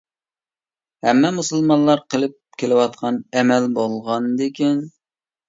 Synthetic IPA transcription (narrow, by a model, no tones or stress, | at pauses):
hɛmːɛmusɨlˠmɑnlˠɑɾqʰəlˠɪp̚kʲʰelɪwɑt̪̚qʰɑnɛmɛlbolˠʁɑnd̪ekʲin